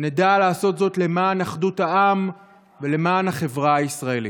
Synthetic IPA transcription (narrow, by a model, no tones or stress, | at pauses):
nedalaːso̞t̪zo̞tle̞maːnaχduthaʔam | vele̞maːnhaχe̞vʁaaisʁae̞li